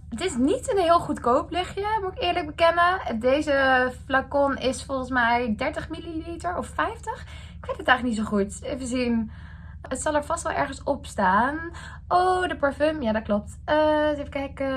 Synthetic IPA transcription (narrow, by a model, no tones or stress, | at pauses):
ətɪsnitənɦɪːlˠχutkowplɪχjəmuɪkɪːɹləɡ̚bəkɛnədejzəflakɔnɪsfɔlˠχənsmɛjdɛɹtəχmililitəɹɔfɛjftəχ | ɪkʋejtətaχəknitsowχutevəzin | ətsɑlˠɛɹv̥ɑstʋɛlˠʔɛ̰ɹχənsɔpstaːn | ʔowdəpəɹfømjaːdɑt̚klɔp̚təsefəkɛjkə